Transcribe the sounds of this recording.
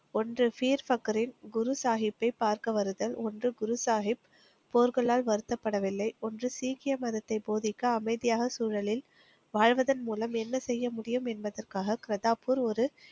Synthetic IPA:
ɔndrɯfiːɾfɐkːɐɾɪnɡʊɾʊsaːɦɪpːɐɪpːaːɾkɐʋɐɾɯðɐlɔndrɯɡʊɾʊsaːɦɪpː | oːɾkɐɭaːlʋɐɾɯt̪ːɐpːɐɽɐʋɪlːɐɪɔndrɯsiːkɪjɐmɐðɐt̪ːɐɪboːðɪkːɐːmɐɪðɪjaːɣɐsuːɻɐlɪl | ʋaːɻʋɐðɐnmuːlɐmɛnːɐsɛjːɐmʊɽɪjɯmɛnbɐðɐrkaːɣɐkɪɾɐðaːpːɯɾɔɾɯ

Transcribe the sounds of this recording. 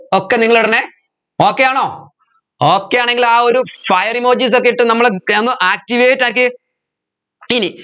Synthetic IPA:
okːeniŋːɐɭuɽɐnːe | o̞ːkːejaːɳoː | o̞ːkːejaːɳe̞ŋɡilaːo̞ɾufɐjɐrimo̞ːd͡ʑiːs̬o̞kːejiʈːɨnɐmːɐɭenːuʔaːk̚tiʋeːtːaːkːɨ | ini

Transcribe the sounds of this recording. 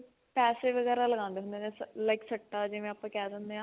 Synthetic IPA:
pɛːseːʋəɡɛːɾaːləɡãːnd̪eːɦʊnd̪eːnẽːslaɪksəʈːaːd͡ʒɪʋẽːapːãːkɛːd̪ãnd̪eːɦãː

